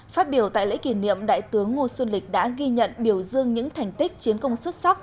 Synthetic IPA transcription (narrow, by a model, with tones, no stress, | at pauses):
faː˦˥t̚ɓi˧˩əwt̪a̰ː˧˨lḛ˧˥ki˧˩nḭ˧˨əmɗa̰ː˧˨jt̪ɨ˨˦əŋːo˧swə˧nlï˨˩k̟̚ɗa̰ː˧˥ɣi˧ɲə̰˧˨nɓi˧˩əwzɨ˧əŋɲɨ̰˧˥ŋt̪ʰa˨˩jŋ̟t̪i˦˥k̚t͡ɕi˨˦ənkə˧wŋ͡mswə˦˥tt̚sa˦˥k͡p̚